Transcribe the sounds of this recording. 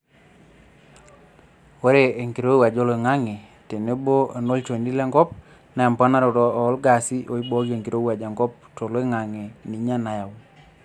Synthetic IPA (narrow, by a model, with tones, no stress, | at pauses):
wo˦ɾe˨e˨ŋki˨ɾo˦i˦wa˨d͡ʒo˦lo˨e˨ŋa˦ŋe˨ | te˨ne˦bo˦a˨no˦lt͡ʃo˨ndi˦le˦ŋɡɔ˦p̚ | na˨˦a˨mpa˦na˦ɾo˨ɾɔː˦˨˦lɡa˨si˦ʔo˦i˦ɓo˦ke˨ŋki˨ɾo˦i˦wa˨d͡ʒa˨ŋɡɔ˦p̚to˨lo˦e˦ŋa˨ŋe˨ni˨ɲa˦na˨ja˨w